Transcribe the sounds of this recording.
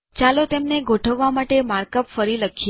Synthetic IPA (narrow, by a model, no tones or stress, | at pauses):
t͡ʃalot̪emneɡʱoʈʰəʋːamaʈemaɾkəpfəɾiləkʰ